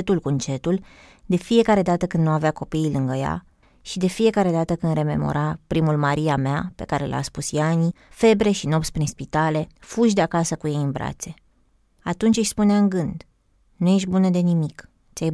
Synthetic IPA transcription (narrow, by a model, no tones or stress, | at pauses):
t̪ulkunt͡ʃe̞t̪ul | d̪e̞fije̞kaɾe̞d̪at̪əkɨnd̪nuaveako̞piːlɨŋɡəja̰ | ʃid̪e̞fije̞kaɾe̞d̪at̪əkɨnd̪ɾe̞me̞̰mo̞̰ɾapɾimulmaɾiameape̞̰kaɾe̞̰la̰spusjanife̞bɾe̞ʃino̞p̪sʲpɾinspit̪ale̞fuʒd̪eakasəkujejɨnbɾa̰t̪se̞ | at̪unt͡ʃʲɨʃspuneaɨŋɡɨnd̪ | nuje̞ʃ̬ʲbunəd̪e̞nimik | t̪sʲaj